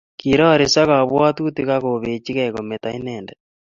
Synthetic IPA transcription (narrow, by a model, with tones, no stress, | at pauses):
kiɾa˦˨ɾi˨sa˦ɣa˨βwa˦t̪u˦t̪iɣa˦ɣoβe˨t͡ʃi˦ɣaɣo˨me˨t̪a˨i˦nɛːndɛ